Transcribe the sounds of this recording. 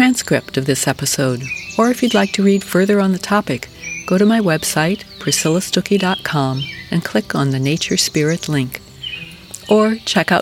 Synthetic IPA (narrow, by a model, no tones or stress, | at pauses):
ɹ̥æ̃nskɹɪp̚tʌvðɪsɛpɨsoʊɾə˞ɨfjɨdˡlaɪk̚tʰɨɹid̥fɜ˞ðə˞ə̃nðɨtʰɑpɨkɡ̥oʊɾɨmaɪwɛb̥saɪt̚pʰɹ̥ɨsɪlˠəstʊkidɑt̚kʰɑ̃mɨ̃nkʰl̥ɪkn̩ðɨneɪt͡ʃə˞spɪɹɨtʰˡlɪ̃ŋk | ʔə˞t͡ʃʰɛkaʊ